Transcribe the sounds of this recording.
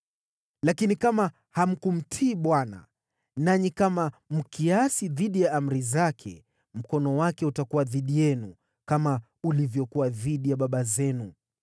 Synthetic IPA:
lakinikama | ham̩kum̩tʰiːɓwana̰ | naɲikamam̩kʰiasiðiɗijaam̩ɾizakʰɛ̰ | m̩kɔnɔwakɛutakuwaðiɗijɛnu | kama | ulivjɔkuwaðiɗijaɓaɓazɛnu

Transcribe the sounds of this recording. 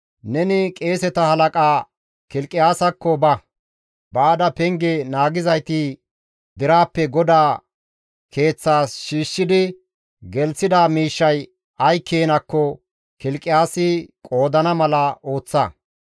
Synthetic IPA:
nɛnɪkʼe̞ːsɛt̪ɐhɐlɐkʼaː | kɪlkʼːɪjaːsɐkːɔbɐ | baːd̪ɐpɛŋɡɛnaːɡɪzɐjt̪ɪ | d̪ɪɾaːpːɛɡɔd̪aː | kʰe̞ːt͡sːaːsʃiːʃːɪd̪ɪ | ɡɛlsɪd̪amiːʃːɐj | ʔɐjkʰːeːnɐkːɔ | kɪlkʼːɪjaːsɪkʼo̞ːd̪ɐnɐmɐlɐo̞ːt͡sːɐ

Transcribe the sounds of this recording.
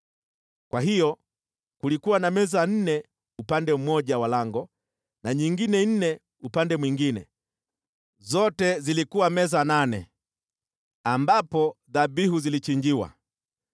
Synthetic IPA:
kwaɦijɔ | kulikuwanamɛzan̩nɛ | upandɛm̩mɔʄawalaŋɡɔ | naɲiŋɡinɛn̩nɛ | upandɛmwiŋɡinɛ̰ | zɔtɛzilikuwamɛzananɛ | ambapɔðabiɦuzilit͡ʃiɲd͡ʒiwa̰

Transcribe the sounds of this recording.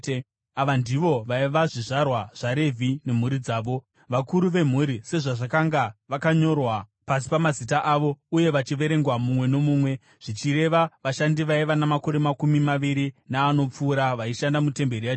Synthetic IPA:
aʋandiʋo̞ʋaiʋaʐiʐarwaʐ̥aɾe̞vʱine̞m̤uɾid͡zaːʋo̞ | ʋakuɾuʋe̞m̤uɾise̞ʐaʐakaŋɡaʋakaɲo̞rwapas̬i̥pamazitaʔaʋo̞uje̞ʋat͡ʃiʋe̞ɾe̞ŋɡwamumwe̞no̞muːmwe̞ | ʐ̥it͡ʃiɾe̞ʋaʋaʃandiʋaiʋanamako̞ɾe̞makumimaʋiɾinaːno̞p͡fuːɾaʋaiʃandamute̞mbe̞ɾija

